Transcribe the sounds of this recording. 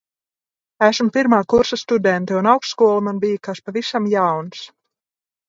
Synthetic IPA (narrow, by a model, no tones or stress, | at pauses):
æsm̩piɾmaːkuɾsast̪ud̪ɛnt̪ɛunawkst̪skuɔlˠamanbijakaspavisamjawns